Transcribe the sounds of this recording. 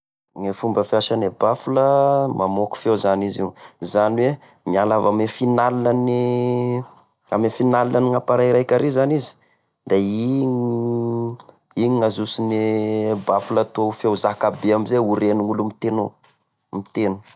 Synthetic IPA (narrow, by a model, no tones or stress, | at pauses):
ŋefumbəfiaʃanebafuləmamoku̥fewzaniziwzaniwe | mialavamefinalinani | a̰mefinalinaniŋapaɾajɾajkʲaɾezanizi̥ | d̪̥ai | iɲiŋazusinebafulət̪uafewzakabeamizeuɾenuŋulumit̪eno | mit̪enu̥